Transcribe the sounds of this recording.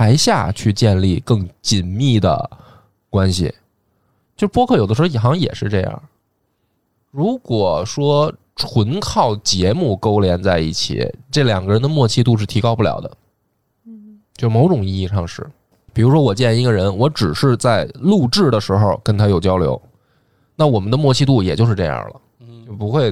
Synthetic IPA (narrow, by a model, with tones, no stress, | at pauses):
a˧˥ɪɕja̰˥˧t͡ɕʰy˥˧t͡ɕjɛ˥˧nli˥˧˩kɤ˥˩ŋt͡ɕi˨˩nmi˥˩d̪ə̰˩ | kwa˥nɕḭ˨˩ | t͡ɕjo˥˧ʊʂɻ̩˥pwɔ˥kʰɤ˥˩jo˨˩də˧ʂɻ̩˧˥˧i˧˥˩nxɑ˧˥ŋjɛ̰˨˩ʂɻ̩˥˧ʈ͡ʂɤ˥˧jɑ̰˥˩ŋ | ɻu˧˥kwɔ˨˩ʂwɔ˥ | ʈ͡ʂʰwə˧˥nkʰɑ˥˩ʊt͡ɕjɛ˧˥mu˥˩ko˥ʊljɛ˧˥nt͡sa˥˧ɪḭ˥˩t͡ɕʰḭ˨˩ʈ͡ʂɤ˥˩ljɑ̰˨˩ŋɡə˦ɻə˧˥nd̪ə˧mwɔ˥˧t͡ɕʰi˥˧t̪u˥˧ʂ̬ɻ̩˥˩t̪ʰi˧˥kɑ˥ʊpu˥˩ljɑ̰˨˩ʊd̪ə̰˦ | t͡ɕjo˥˧ʊ˧mo˧˥ʊʈ͡ʂʊ˨˩ŋi˥˧i˥˧ʂɑ˥˧ŋʂɻ̩˥˩ | pi˨˩ɻu˧˥ʂwɔ˥wɔ˨˩t͡ɕjɛ˥˩n˧i˧˥ɡə˧ɻə˧˥nwɔ˧˥ʈ͡ʂɻ̩˨˩ʂɻ̩˥˧t͡sa˥˩ɪlu˥˧ʈ͡ʂɻ̩˥˩d̪ə˩ʂɻ̩˧˥xo˥˧ʊkə˥nt̪ʰa˥jo˨˩ʊt͡ɕjɑ˥ʊljo̰˧˥ʊ | na˥˩wɔ˨˩mə˦nd̪ə˧mwɔ˥˧t͡ɕʰi˥˧t̪̬u˥˩jɛ˨˩t͡ɕjo˥˧ʊ̯ʂɻ̩˥˧ʈ͡ʂɤ˥˧jɑ̰˥˩lə̰˩ | t͡ɕjo˥˩ʊpu˧˥xwe˥˧ɪ